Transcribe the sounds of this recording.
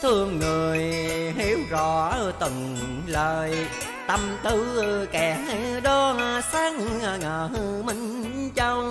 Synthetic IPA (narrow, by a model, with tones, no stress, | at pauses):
t̪ʰɨ˧əŋːɨ˨˩əjɦi˧˦wzɔ˧˩˦t̪ɨ˨˩ŋ | ləː˨˩j | t̪ə˧˩mt̪ɨ˧kɛ˨˩˧ɗɔ˧˦a˧saː˧˥ŋ˧a˧˩ŋəː˨˩ɦɨ˧mi˧˦ŋ̟t͡ɕə˧w